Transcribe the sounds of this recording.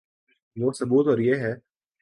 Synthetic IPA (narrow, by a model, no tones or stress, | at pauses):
ʋoːsɐbuːt̪ɔːɾjeːɦɛː